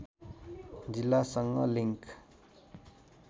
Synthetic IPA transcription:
d͡zilːasʌŋːʌ̰liŋk

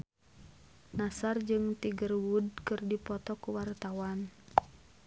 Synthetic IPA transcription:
nasard͡ʒɨŋt̪iɡərwudkɨrdipɔt̪ɔkuwart̪awan

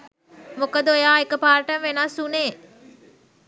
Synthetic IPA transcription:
mukəd̪əojaːekəpaːɾəʈənʋenɐsuneː

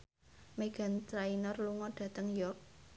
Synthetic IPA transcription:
meɡ̥a̤nt̪ɾainɔrluŋɔɖ̥ä̤t̪əŋjɔrk̚

